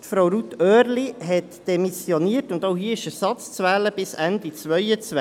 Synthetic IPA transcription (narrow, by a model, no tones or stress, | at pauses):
tfɾowɾut̪øːɾliɦɛtd̥ɛmisjɔniːətʊndoʊɦiəɪʃəɾsɑt͡st͡sʋɛːləb̥ɪsændit͡sʋœjət͡sʋ